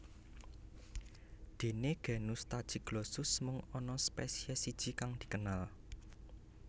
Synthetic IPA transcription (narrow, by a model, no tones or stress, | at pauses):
d̪̥e̤neɡ̥ɛ̤nust̪ad̥ʒ̥i̤ɡ̥losʊsmʊŋɔnɔspesiɛsid̥ʒ̥i̤kaŋd̪̥i̥̤kənal